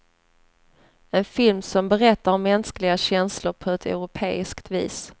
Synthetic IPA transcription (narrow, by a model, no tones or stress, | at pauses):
ɛnfɪlmsɔmbɛɾɛt̪ːaɾɔmːɛnsklɪɡaɕɛnslʊɾpʰɔɛt̪ʰɛ̰ɾʊpʰḛːɪskt̪vḭːs